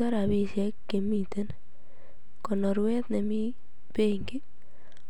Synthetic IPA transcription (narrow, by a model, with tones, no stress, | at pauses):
a˦ɾa˨βi˦ʃɛkːe˨mi˨t̪e˦n | kɔ˨nɔ˨ɾwɛ˦t̪ne˨mi˦ | pe˦ŋɡi˦